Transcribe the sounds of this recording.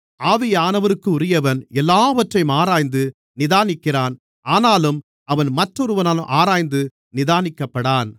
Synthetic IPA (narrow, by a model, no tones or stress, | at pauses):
ʔaːʋɪjɐaːnɐʋɐɾɯkːɯʊɾɪjɐʋɐnɛlːaːʋɐʈrɐjmaːɾaːjnd̪ɯ | nɪðaːnɪkːɪraːn | ʔaːnaːlɯm | ʔɐʋɐnmɐʈrɔɾɯʋɐnaːlɯmʔaːɾaːjnd̪ɯ | nɪðaːnɪkːɐpːɐɽaːn